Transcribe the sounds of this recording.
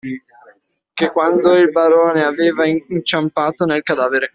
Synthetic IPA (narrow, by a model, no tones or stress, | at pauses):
kekːwand̪oilbaɾoːneaveːvaint͡ʃampaːt̪onelkad̪aːveɾe